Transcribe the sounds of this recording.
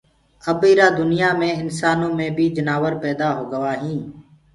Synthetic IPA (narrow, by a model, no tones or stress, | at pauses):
əbiːɾaːd̪ʊnɪjaːmẽːɪnsaːnõːmẽːbʱiːd͡ʒənaːʋəɾpɛːd̪aːɦoːɡəʋaːɦĩː